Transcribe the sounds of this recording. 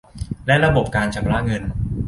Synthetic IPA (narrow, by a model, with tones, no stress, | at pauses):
lɛ˦˥ɾa˧bo˨˩p̚kaː˧nt͡ɕʰa˧˥mɾa˦˥ŋɤ˧n